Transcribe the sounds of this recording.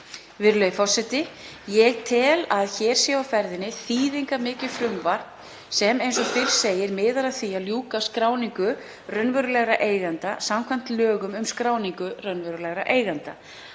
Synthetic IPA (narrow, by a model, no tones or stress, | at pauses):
vɪɾlœɥjfɔr̥sɛt̪ɪ | jɛɣt̪ʰɪlaðçɛːɾ̥sjɛawfɛɾðɪnɪθiːðiŋkamɪːcɪ̥fɾʏmvaɾ̥ | sɛmejnsɔfɪr̥seːjɪɾmɪːðaɾaðθiːaljuːkaskɾaːwniŋkʏ | rœnvœɾʏlɛɣɾaʔeːjɣant̪asamkʰvam̥t̪lœːɣʏmʏmskɾaːwniŋkʏrœnvœɾʏlɛɣɾa̰ʔeːjɣant̪a